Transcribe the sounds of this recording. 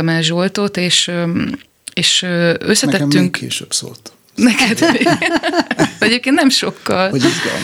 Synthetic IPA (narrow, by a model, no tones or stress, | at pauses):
ɒmaːʒolt̪ot̪eːʃ | eːʃøsːɛɛt̪ːyŋkkḛːʃø̰bso̰ːt̪ | nɛkɛd̪e | ɛɟeːp̚kent̪nɛmʃo̞kːɒlɒizɡɔ̰l